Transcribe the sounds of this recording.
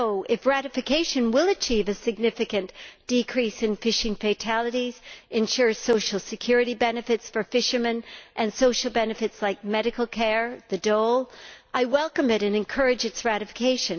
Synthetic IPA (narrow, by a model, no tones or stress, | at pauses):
oʊʔɪfɹæɾɨfɨkʰeɪʃɨ̃nwɪlˠɨt͡ʃʰivɨsɨɡ̚nɪfɨkɨ̃nd̥ɨkʰɹ̥isɨ̃nfɪʃɪ̃ŋfeɪtʰælˠɨɾiz̥ʔɨ̃nʃʊɹsoʊʃl̩ˠsɨkʰj̥ʊɹɨɾibɛnɨfɨtsfə˞fɪʃə˞mɨ̃nʔɨ̃nsoʊʃl̩ˠbɛnɨfɨtslaɪk̚mɛɾɨkl̩ˠkʰɛɹðɨdoʊlˠʔaɪwɛlˠkɨ̃mɨɾɨ̃nɨ̃nkʰɜ˞ɨd͡ʒɨtsɹæɾɨfɨ̥kʰeɪʃɨ̃n